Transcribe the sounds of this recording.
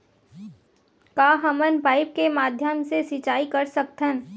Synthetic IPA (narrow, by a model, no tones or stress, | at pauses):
kaːɦəmənpaːɪp̚kemaːd̪ʱjəmsesɪt͡ʃaːikɐɾsək̚t̪ə̃n